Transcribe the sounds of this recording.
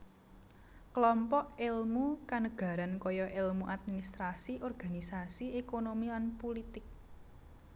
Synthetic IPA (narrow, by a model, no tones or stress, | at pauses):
klɔmpɔʔelmukanəɡ̥ä̤ɾankɔjɔʔelmuʔat̪̚minist̪ɾasiʔɔrɡ̥a̤nisasiekonomilanpolit̪ɪk̚